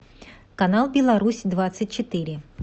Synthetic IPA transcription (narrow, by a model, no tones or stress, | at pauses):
kɐnalˠbʲɪlˠɐɾusʲd̪vat̪sɨtʲt͡ɕɪt̪ɨɾʲɪ